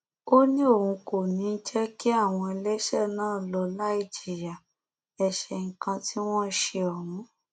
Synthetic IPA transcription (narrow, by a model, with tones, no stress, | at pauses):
o˦nĩ˦o˦˨hũ˧ko˨nĩ˨˦n̩˦d͡ʒɛ˦ki˦a˦˨w̃ɔ̃˧ɛ˧lɛ˦ʃɛ˦˨nãː˦˨lɔ˧la˦i˦˨d͡ʒi˨ja˨ | ɛ˧ʃɛ˧˨ŋ̩˨˦kã˧ti˦w̃ɔ̃˦ʃe˧ɔ˨mũ˨˦